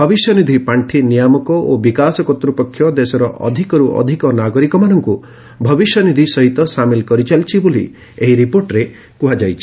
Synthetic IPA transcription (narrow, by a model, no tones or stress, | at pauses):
bʱɔbisjɔnid̪ʱipaɳʈʰinijamɔkɔʔobikasɔkɔt̪ɾupɔkʰːjɔd̪esɔɾɔʔɔ̰d̪ʱikɔɾuʔɔ̰d̪ʱikɔnaɡɔɾikɔmanɔŋku | bʱɔbisjɔnid̪ʱisɔɦit̪ɔsamilkɔɾit͡ʃʰalt͡ʃʰibolḭ | eɦiɾipoɾʈɾe | kuɦad͡ʒajt͡ʃʰi̥